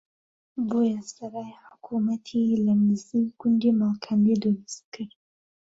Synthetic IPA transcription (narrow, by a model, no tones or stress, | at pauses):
boːjasɐɾaːjħʊkʰumat̪ʰilamɪziɡʊnd̪imalkʰambed̪olɪst̪̚kʰɨɾ